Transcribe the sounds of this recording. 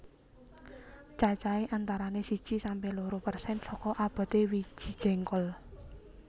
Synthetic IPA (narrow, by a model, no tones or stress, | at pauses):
t͡ʃat͡ʃaeʔant̪aɾanesi̥ʒ̥isampehloɾopərsɛnsɔkɔʔab̥a̤t̪ewi̥ʒ̥i̤̥d͡ʒ̥ɛ̤ŋkɔl